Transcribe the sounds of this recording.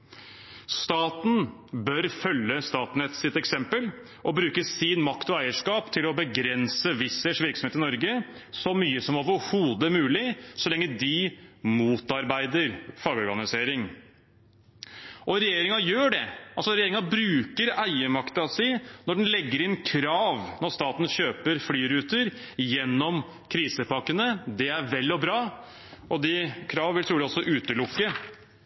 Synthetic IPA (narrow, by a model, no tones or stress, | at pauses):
st̪ɑːt̪n̩bœɾfœlːəst̪ɑːt̪n̩ɛt̪sɪt̪ɛksɛmpəl | ʔɔbɾʉːkəsɪnmɑkt̪ɔæɪəʂkɑːpt̪ʰɪlɔbəɡɾɛnsəʋɪsɛʂʋɪɾksɔmheːt̪ɪnɔɾɡə | sɔmyːəsɔmoːʋəɾhuːd̪əmʉːlɪsɔlɛŋːəd̪ɪmuːt̪ɑɾbæɪd̪əɾfɑːɡɔɾɡɑnɪseːɾɪŋ | ʔɔɾɛjeːɾɪŋɑjøːɖɛʔɑlsɔɾɛjeːɾɪŋɑbɾʉːkəɾæɪəmɑkt̪əɑsæɪnɔɖɛnlɛɡːəɾɪnkʰɾɑːʋnɔɾst̪ɑːt̪nɕøːpəɾflyːɾʉːt̪əɾjɛnːɔm | kʰɾiːsəpɑkːənəd̪ɛæɾʋɛlːɔbɾɑː | ʔɔd̪ɪkʰɾɑːʋnʋɪlt̪ʰɾuːd̪ɛɔsɔʔʉːt̪əlʊkːə